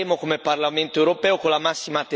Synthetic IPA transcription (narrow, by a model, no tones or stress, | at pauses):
eːmokomeparlament̪oewɾopɛːokolːamasːimat̪